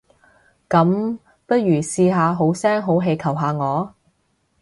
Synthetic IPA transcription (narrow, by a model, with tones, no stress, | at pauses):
kɐ˨˧˥m | pɐ˥t̚jyː˨˩siː˧ɦaː˨˧ɦo˨˥wsɛː˥ŋɦo˨˥wɦe˧jkʰɐ˨˩wɦaː˨˧ŋɔː˨˧